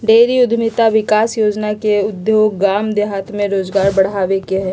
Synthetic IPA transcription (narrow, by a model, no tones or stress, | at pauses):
ɖeːɾiʊd̪ʱmɪt̪aʋɪkaːsjoːd͡ʒnakeʊd̪joːɡaːmd̪eɦaːt̪mẽɾoːzɡaːɾbɐɽ̤aːʋekeɦɛː